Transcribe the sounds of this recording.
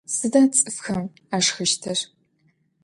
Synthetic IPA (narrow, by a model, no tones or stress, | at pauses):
sɨdaːt͡sʼɨfxɐm | aːʂxɐʃtʰɐr